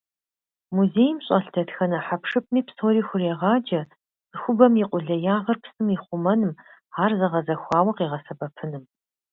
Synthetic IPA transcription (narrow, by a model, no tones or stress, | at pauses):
muzeːjmɕʼɐɬtʰɐtxɐnɐħapʂɨp̚ʰmiːpsʰoːɾiːxʷʊrɛʁɑːd͡ʒɐ | sɨxʷʊbɐmjiqʷʼʊɮɐjaːʁɐrpʰsɨmiχʷʊmɐnɨmaːrzɐʁɐzɐxʷɑːwɐqiːʁɐsɐbɐpʰɨnɨm